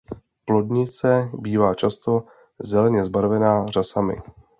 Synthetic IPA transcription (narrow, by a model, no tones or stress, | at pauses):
plo̞dɲɪt͡sɛbiːvaːt͡ʃast̪o̞ | zɛlɛɲɛzbaɾvɛnaːrasamɪ̰